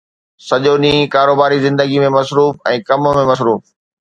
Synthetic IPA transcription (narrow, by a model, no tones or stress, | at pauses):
sɐʄoɗĩkaːɾoːbaːɾizɪ̃nd̪əɡimẽmɐsɾuːfɛ̃ːkɐmmẽmɐs̬ɾuːf